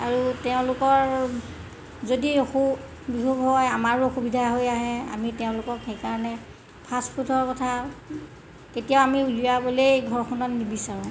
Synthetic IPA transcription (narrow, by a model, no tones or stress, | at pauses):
aɹutɛʊ̃lʊkɔɹ | zodixu | bibʱoɡɦɔjamaɹoxubidʱaɦojaɦɛa̰mitɛʊ̃lʊkɔkhejkaɹɔnɛ | pʰaspʰutʰɔɹkɔtʰa | ketijaʊamiulijabolejɡʱɔɹxʰɔnɔtnibisaɹũ